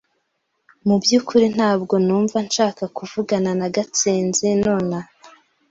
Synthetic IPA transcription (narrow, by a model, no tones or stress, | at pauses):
mubjukʰuɾin̥haːbɡo̞nuːɱvanʃaːkakuvuɡananaɡat͡siːnzino̞ːna